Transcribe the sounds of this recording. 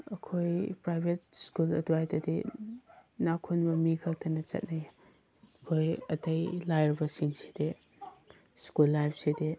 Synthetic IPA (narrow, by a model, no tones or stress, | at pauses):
ɐkʰojpɾajbʱet̚skulɐ̰duajdɐdḭ | nakʰunbɐmikʰɐk̚tʰɐnɐt͡ʃɐ̰t̚naj | ɐkʰojɐtɐjlajɾɐbɐsiŋsi̥de | skulːajp̚ʰside